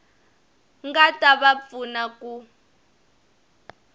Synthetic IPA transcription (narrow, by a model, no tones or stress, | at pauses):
ŋɡataβap̪funaku